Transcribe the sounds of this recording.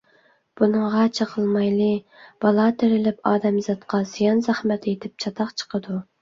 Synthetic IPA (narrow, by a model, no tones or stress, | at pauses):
b̥unɨŋʁɑt͡ʃʰɑqʰəlˠmɑjlˠɨ | b̥ɑlˠɑt̪ʰeɾɪlɪpɑːd̪ɛmzɑt̪qʰɑz̥ijɑnzæχmɛt̪ʰet̪ʰɪp̚t͡ʃʰɑt̪ʰɑqt͡ʃʰə̥qʰəd̪u